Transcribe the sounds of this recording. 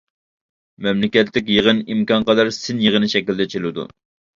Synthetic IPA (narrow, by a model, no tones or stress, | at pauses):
mɛmlɪkʲɛt̪lɪk̬ʲjəʁənimkɑnqɑd̪ɑɾsɪnjəʁənɨʃɛkʲild̪ɛt͡ʃʰelɪd̪ṵ